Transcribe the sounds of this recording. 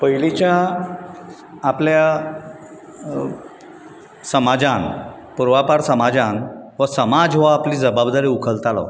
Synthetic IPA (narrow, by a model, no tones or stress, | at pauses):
pəilit͡ɕja | plja | səmad͡ʑan | puɾʋapaɾsəmad͡zãnʋəsəmad͡zʋaapliːd͡zəbabd̪aɾiːukʰəlt̪ala̰